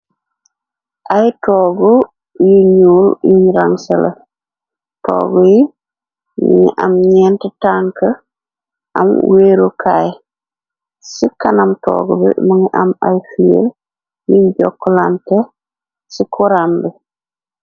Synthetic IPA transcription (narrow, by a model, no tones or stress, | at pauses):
ʔajtɔːɡɔ | jiɲuljiɲɾaŋsɛlḛ | tɔ̰ːɡɔji | miŋiʔamɲɛːntɛtaŋkə | ʔamweɾukʰaj | sikanamtɔ̰ːɡɔbḭmiŋiʔamajfiḛl | jiɲd͡ʒɔ̰kːɔlantɛ | sikʰuɾambɛ